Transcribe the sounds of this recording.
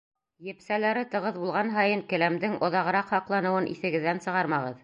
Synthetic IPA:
jɘ̆psælæɾɘt̪ɤ̆ʁɤðbulˠʁɑnɦɑjɤŋkɘ̆læmd̪ɘŋŏðɑʁɤ̆ɾɑqhɑqlˠɑnɤ̆wɤnʔḭθɘ̆ɡɘ̆ðːænsɤ̆ʁɑɾmɑʁɤ̰ð

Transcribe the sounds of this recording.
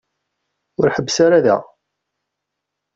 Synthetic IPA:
ʊɾħəbːsaɾaðæ̰

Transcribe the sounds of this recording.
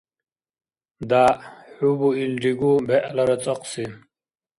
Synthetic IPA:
d̪aħubuilɖiɡubɛʔlɐɾɐt͡sʼəqsi

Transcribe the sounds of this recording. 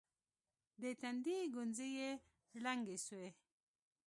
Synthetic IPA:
d̪et̪and̪iɡʊnzije | laŋɡeswe

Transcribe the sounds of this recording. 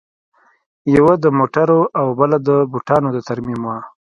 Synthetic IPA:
jawad̪əmoʈaɾoʔawbəlad̪əbuʈɑnod̪ət̪aɾmimwa

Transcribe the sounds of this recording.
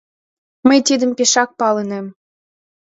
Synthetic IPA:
məjt̪id̪ə̆mpeʃɑk̚pɑlənem

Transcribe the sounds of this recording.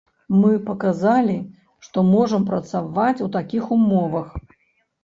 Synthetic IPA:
mɨpɐkazalʲi | ʂt̪ɔmɔʐɐmpɾɐt̪savat͡sʲut̪akʲixumɔvɐx

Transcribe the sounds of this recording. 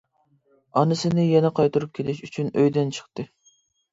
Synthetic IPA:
ɑnɨsɪnɪjɛnɛqʰɑjt̪uɾup̚kʲʰelɪʃyt͡ʃʰynøjd̪ɪnt͡ʃʰə̥χt̪ɨ

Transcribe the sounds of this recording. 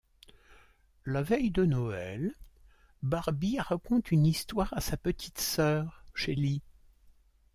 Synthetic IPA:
lavɛjd̪ənɔɛl | baʁbiʁakɔ̃t̪ynist̪waʁasapət̪ʰi̥t̪sœːʁʃeli

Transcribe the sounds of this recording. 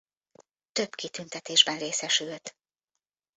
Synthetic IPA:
t̪ø̞bkit̪ynt̪ɛt̪eːʒbɛnreːsɛʃylt̪

